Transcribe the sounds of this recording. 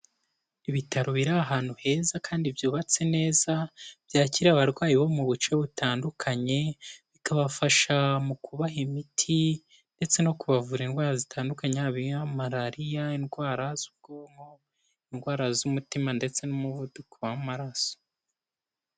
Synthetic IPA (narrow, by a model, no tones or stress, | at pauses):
iβitaɾoβiɾaɦaːn̥huhe̞ːzakʰaːndivjuːβat͡se̞ne̞ːzabjaːciɾiaβaɾɡwaːjiβo̞muβut͡ʃe̞βutaːndukʰaɲe̞βikaβafaʃamukʰuβaɦimitʰi | nde̞t͡se̞no̞kuβavuɾinɡwaːɾazitʰaːndukaɲeaβiamaɾaɾijainɡwaːɾazub̚ɡomo | inɡwaːɾazumutimande̞t͡se̞nomuβudukuβammaɾaso̥